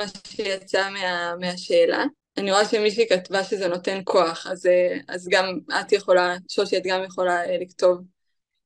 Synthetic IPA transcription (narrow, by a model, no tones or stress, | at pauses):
maʃejat͡sameameaʃe̞ːla̰ | aniʁoaʃemiʃ̬ikatvaʃezeno̞te̞nkʰo̞aχazea̰zɡamatjeχo̞laʃolʃeat̪ɡamjeχo̞laelikto̞v